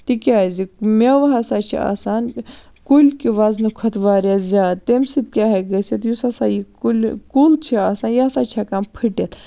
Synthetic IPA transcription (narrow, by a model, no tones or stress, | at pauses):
t̪ikʲaːzimʲeʋɐɦɐsat͡ʃʰḭa̰ːsaːn | kulʲkiʋaznukʰɐt̪ʋaːɾʲazʲaːt̪ːemsit̪̚kʲaːɦeɡɐsit̪jusɐsajiulʲkult͡ʃʰiaːsaːnjasat͡ʃʰakampʰiʈet̪